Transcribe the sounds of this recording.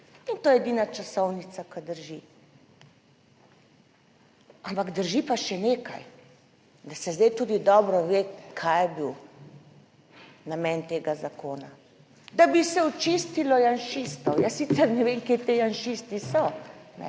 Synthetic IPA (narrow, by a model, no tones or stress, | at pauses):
int̪oːjɛɛd̪iːnat͡ʃasɔwnit̪sakad̪əɾʒi | ampaɡd̪əɾʒipaʃɛneːka̰j | d̪asɛzd̪ɛjt̪uːd̪id̪ɔːbɾɔʋekʰajɛbiw | namɛnt̪eːɡazakoːna | d̪abisɛɔt͡ʃist̪ilɔjanʃist̪ɔwjasisɛɾnɛʋemket̪ejanʃist̪isɔnɛ̰